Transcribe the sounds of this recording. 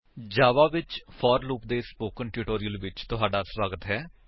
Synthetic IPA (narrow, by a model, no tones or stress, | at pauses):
d͡ʒaːʋaːʋɪt͡ʃpʰɔːɾluːp̚d̪eːspoːkənʈuːʈoːɾɪjəlʋɪt͡ʃt̪ʊɦaːɖaːswaːɡət̪ɦɛː